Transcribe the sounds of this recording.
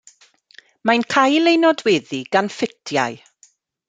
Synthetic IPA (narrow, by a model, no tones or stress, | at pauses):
mankʰajlˠejnɔdwɛːðiɡanfɪtʰja̰ɨ